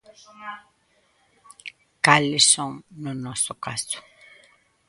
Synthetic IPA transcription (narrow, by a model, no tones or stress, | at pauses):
kalɪsoŋnonosokasʊ̥